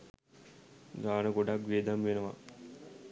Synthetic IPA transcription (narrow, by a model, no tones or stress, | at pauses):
ɡaːnəɡoɖakʋeːd̪amʋenəʋa̰